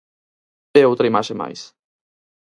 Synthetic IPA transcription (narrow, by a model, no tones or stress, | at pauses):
ewt̪ɾimaʃema̰js